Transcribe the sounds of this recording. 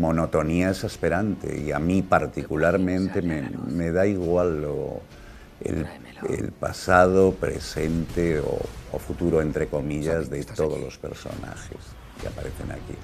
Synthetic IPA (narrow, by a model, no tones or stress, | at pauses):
mo̞no̞t̪o̞niaesaspeɾant̪e̞̰iamipaɾt̪ikulaɾmẽnt̪e̞memeð̞aiɣwalo | ḛl | ḛlpasað̞opɾḛse̞nt̪eo̰ofut̪uɾoent̪ɾe̞ko̞miʎazðe̞t̪o̞ð̞o̞̰lo̞spe̞̰ɾso̞̰na̰xḛs | ia̰paɾe̞θe̞̰na̰kḭ